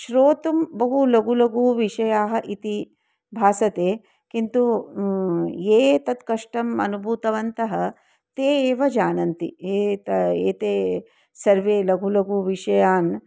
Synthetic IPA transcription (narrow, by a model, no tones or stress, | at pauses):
ʃɾoːt̪umbɐɦulɐɡulɐɡuʋiʃɐjaːɦɐ̆ʔit̪i | bʱaːsɐt̪eː | kint̪u | eːt̪ɐt̪kɐʂʈɐmɐ̰nubʱuːt̪ɐʋɐnt̪ɐɦɐ | t̪eːeːʋɐd͡ʒaːnɐnt̪ḭeːt̪ɐeːt̪eː | sɐɾʋeːlɐɡʱulɐɡuːʋiʂɐjaːn